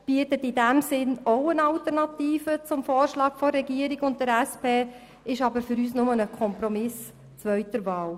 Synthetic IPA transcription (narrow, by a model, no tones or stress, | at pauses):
b̥iətətɪdæmsɪnoʊənɑltəɾnɑtiːfət͡sʊmfoːrʃlɑːkfɔrːɛɡiəɾɪɡʊnt̚dəɾɛspʰeː | ɪʃɑbəɾfʏɾyːsnʊmənəkʰɔmpɾɔmɪs | t͡svœɥtəɾvɑːl